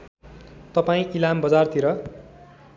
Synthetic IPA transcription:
t̪ʌpaĩʔilambʌd͡zart̪iɾʌ

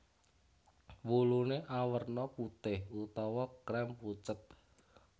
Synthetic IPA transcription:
wuluneʔawərnɔput̪ɪhut̪ɔwɔkɾɛmput͡ʃət̪̚

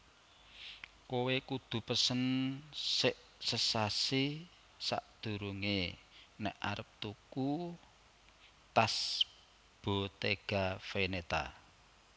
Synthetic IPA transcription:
kowekud̪̥ṳpəsənsɪʔ | səsasi | sa̰ʔd̪̥ṳɾuŋenɛ̰ʔaɾəp̚t̪uku | t̪as | b̥ot̪eɡ̥afenet̪a̰

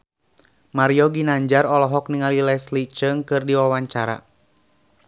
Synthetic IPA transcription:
maɾiɔɡinaɲd͡ʒarɔlɔɦɔk̚niŋalilɛslit͡ʃəŋkɨrdiwawaɲt͡ʃaɾa̰

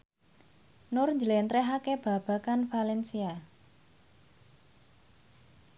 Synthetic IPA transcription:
nʊrɲd͡ʒəlɛnt̪ɾɛɦakeb̥ä̤b̥a̤kanfalɛnsia

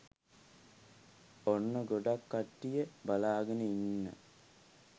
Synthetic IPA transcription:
onːəɡoɖakːaʈːijəbalaːɡənəinːə̰

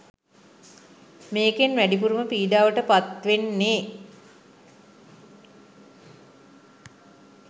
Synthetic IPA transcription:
meːkenʋæɖipuɾuməpiːd̪aːʋəʈəpat̪ʋenːeː

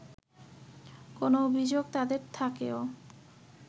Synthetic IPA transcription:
konoobʱid͡ʑoɡ̚t̪ad̪eɾt̪ʰakeo

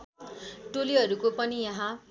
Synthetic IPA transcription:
ʈoliɦʌɾukopʌnijʌɦã

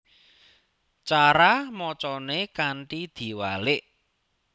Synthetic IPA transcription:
t͡ʃaɾamɔt͡ʃɔnekaɳʈid̪̥i̤walɪʔ

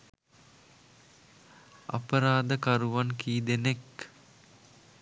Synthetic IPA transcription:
a̰pəɾaːd̪əkaɾuʋankiːd̪enek

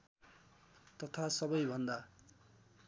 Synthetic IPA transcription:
t̪ʌt̪ʰasʌbʌjbʱʌnd̪a

